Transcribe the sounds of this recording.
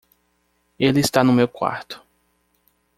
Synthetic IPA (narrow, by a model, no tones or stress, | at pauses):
elɪist̪anʊmewkwa̰ɾt̪ʊ̥